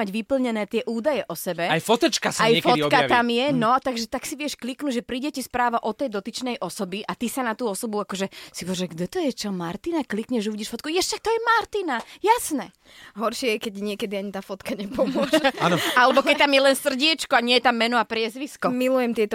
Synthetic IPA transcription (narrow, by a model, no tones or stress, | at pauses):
aɟʋipl̩ɲɛnɛːt̪ɪɛʔuːd̪ajɛʔɔsɛbɛajfɔt̪ɛt͡ʃkasajɛfɔt̪kat̪amjɛnɔat̪aɡʒɛt̪aksiʋɪɛʃkliknuɟʒɛpɾiːɟɛcɛspɾaːʋaʔɔt̪ɛjd̪ɔt̪it͡ʃnɛjʔɔsɔbiʔat̪isanat̪uːɔsɔbuakɔʒɛsipɔʋʒɛɡd̪ɛt̪ɔjɛt͡ʃɔmaɾt̪inaklikɲɛʒuʋiːɟɛʃfɔt̪kujɛʃʃak̚t̪ɔjɛmaɾt̪inajasnɛ | ɦɔɾʃɪɛjɛkɛɟɲɪɛkɛd̪iaɲit̪aːfɔt̪kaɲɛpɔmʊɔʃaːnɔalɛbɔkɛc̚t̪amjɛlɛnsr̩ɟɪɛt͡ʃkɔaɲɪɛjɛt̪amːɛnɔapɾɪɛzʋiskɔmilujɛmt̪ɪɛt̪ɔ